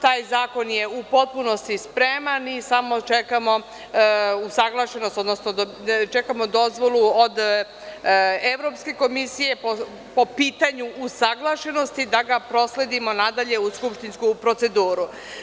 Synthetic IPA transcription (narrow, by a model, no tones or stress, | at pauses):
t̪aːjzaːko̞nje̞upo̞t̪̚puno̞st̪ispɾemanisamo̞t͡ʃekamo̞ | usaɡlˠaʃe̞nost̪o̞d̪nosnod̪ot͡ʃe̞kamod̪o̞zʋo̞lˠuod̪ | eʋɾo̞pske̞ko̞misije̞po | po̞piːt̪aɲuʔusaɡlˠaʃe̞no̞st̪id̪aɡapɾo̞sle̞d̪imo̞nad̪aʎe̞uskupʃt̪inskupɾo̞t̪se̞d̪uːɾu